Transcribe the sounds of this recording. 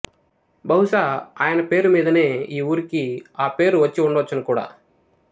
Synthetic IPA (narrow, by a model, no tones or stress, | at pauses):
bɐɦuʂaːaːjɐnɐpe̞ːɾumiːd̪ɐne̞ːiːuːɾikiaːpe̞ːɾuʋɐt͡ʃːiuɳɖɐʋɐt͡ʃːɐnɐkuːɽa̰ː